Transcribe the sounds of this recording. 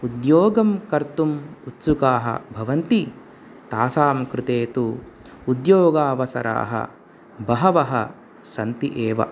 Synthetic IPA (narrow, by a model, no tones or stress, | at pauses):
ud̪joːɡɐmkɐɾt̪umut̪sukaːɦɐ̰bʱɐʋɐnt̪i | t̪aːsaːmkɾɪt̪eːt̪u | ud̪joːɡaːʋɐsɐ̰ɾa̰ːɦɐ̰ | bɐɦɐʋɐɦɐ̰ | sɐnt̪iʔeːʋɐ̰